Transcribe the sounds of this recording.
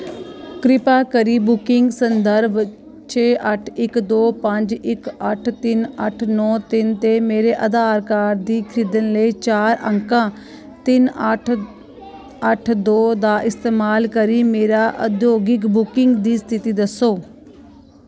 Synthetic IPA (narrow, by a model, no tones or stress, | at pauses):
kɾɪpaːkəɾiːbʊkɪŋɡsənd̪əɾʋ | t͡ʃʰeːʔəʈʰɪkd̪oːpəɲd͡ʒɪkəʈʰt̪ɪnəʈʰnɔ̃ːt̪ɪnt̪eːmeːɾeːʔəd̪aːɾkaːɾd̪iːkʰɾɪd̪ənləit͡ʃaːɾə̰ŋkãː | t̪ɪnəʈʰ | əʈʰd̪oːd̪aːʔɪst̪eːmaːlkəɾiːmeːɾaːʔəd̪joːɡɪkbʊkɪŋɡd̪iːst̪ʰɪt̪iːd̪əsːoː